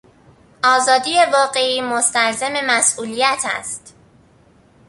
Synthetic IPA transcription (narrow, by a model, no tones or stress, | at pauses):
ʔɒːzɒːd̪ije̞vɒːɢe̞iːmost̪ælzeme̞mæsʔuːlijæt̪ʰæ̰st̪